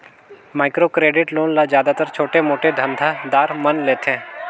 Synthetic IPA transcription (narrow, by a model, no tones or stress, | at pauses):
maːɪkɾoːkɾeːɖɪʈloːnlazjaːd̪at̪əɾt͡ʃʰoːʈemoːʈed̪ʱə̃nd̪ʱad̪aːɾmɐnleːt̪ẽː